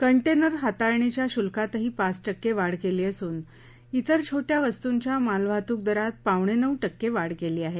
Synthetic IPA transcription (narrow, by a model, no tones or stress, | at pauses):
kəɳʈenəɾɦat̪ajɳ̃it͡ɕjaɕulkat̪ɦiːpat͡sʈəkːeʋaɽkeliːəsuːn | it̪əɾt͡ɕʰoʈjaʋəst̪uɲt͡ɕjamalʋʱat̪uːk̚d̪əɾat̪̚paʋɳ̃enəʋʈəkːeʋaɽkeliːaɦe